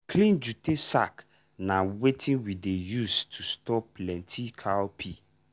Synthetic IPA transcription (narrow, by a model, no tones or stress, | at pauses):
kʰlĩnd͡ʒutesa̰k | nawetʰĩnwidejustʰustɔplɛ̃ntʰikʰaɔpʰi